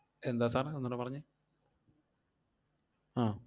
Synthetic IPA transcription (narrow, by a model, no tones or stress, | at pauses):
end̪aːsaːnaonːɐnːɨpɐrɐɲːɨ | aː